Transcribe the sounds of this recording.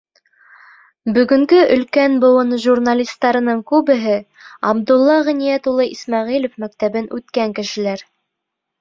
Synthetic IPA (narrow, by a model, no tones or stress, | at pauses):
bɵ̆ɡɵ̆ŋɡɵʔɵ̆lkænbɤ̆wɤnʒurnalʲist̪ːɑɾɤ̆nɤɴkʉβɘ̆ɦɘ | ɑbd̪ulˠːɑʁɘ̆nijæt̪ulˠɤʔismɑʁilŏfmæk̚t̪æβɘnʔʉt̪kæŋkɘ̆ʃɘ̆læɾ